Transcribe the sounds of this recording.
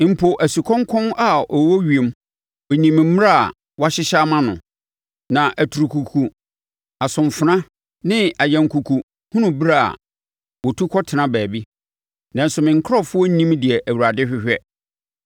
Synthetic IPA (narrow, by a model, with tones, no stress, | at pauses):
m̩˨pʰo˨ʔæ˨su˨kʰɔ̃˦ŋkʰɔ̃˦na˨ɔ˨wo˦ɥi˨e˨m | ɔ˨ɲĩ˨m̩˨˦m˦a̰˦˨ | wa˦ɕɪ˦ɕa˦mã˦nʊ̰̃˨ | nã˨ʔæ˨tʰu˨ɾu˨kʰu˨kʰu˨ | a˨sʊ̃˨mfʊ˨nã˦ | nɪ̃˦a˨jɛ̃˨ŋkʰu˨kʰu˨ | hũ˦nʊ̃˨bɾa˦˨a̰˨ | wɔ˨tʰu˦kʰɔ˦tʰɪ˨nã˦bæː˨bi˦ | nã˦n̩˦sʊ˨mɪ̃˨ŋ˨kʰɾɔ˦fʊ˦ɔ˦nĩ˦mdɪ˨ɛ˨ʔæ˨wu˨ɾa˨dɪ˦ɕᶣɪ˦hᶣɛ˦